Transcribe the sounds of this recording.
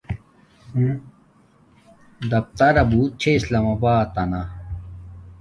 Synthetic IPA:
d̪ɐp̚t̪ɐɾɐbut͡ɕʰeislaːmɐbaːt̪ɐna

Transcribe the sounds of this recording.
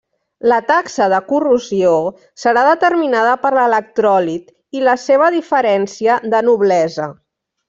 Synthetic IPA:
lət̪aksəðəkuruzio | səɾaðət̪əɾminað̞əpəɾlələk̚t̪ɾɔlit̪ | iləseβ̞əðifəɾɛnsiəðənuβ̞lɛzə

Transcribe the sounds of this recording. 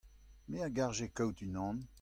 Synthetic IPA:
meaɡaʁʒekɔwt̪ynɑ̃n

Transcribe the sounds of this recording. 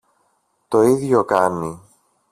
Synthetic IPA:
t̪o̞iðʝo̞kɐnːi

